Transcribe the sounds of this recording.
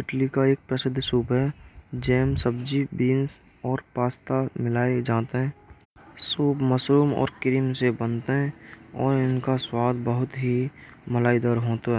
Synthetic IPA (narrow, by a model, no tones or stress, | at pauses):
sɪʈlikaeːk̚pɾəsɪd̪ʱːsuːpɦɛd͡ʒɛːmsəb̚d͡ʒibiːns | ɔːɾpaːst̪amɪlaːed͡ʒaːt̪eɦɛ̃ː | suːpməsɾuːmɔ̰ːɾkɪɾimsebənt̪eɦɛ̃ɔːɾɪnkaswaːd̪bəɦʊt̪ɦiməlaːɪd̪ɔːɾɦoːt̪aɦɛː